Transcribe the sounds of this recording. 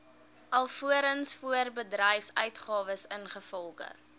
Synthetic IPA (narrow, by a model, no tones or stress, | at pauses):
ʔɐlˠfuəɾənsfuərbədrɛjfsœɥtχɑːvəsənχəfɔlˠχə̰